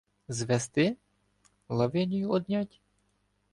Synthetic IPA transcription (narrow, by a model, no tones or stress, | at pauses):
zʋɛst̪ɪ | lˠɐʋɪnʲijuɔd̪nʲɑtʲ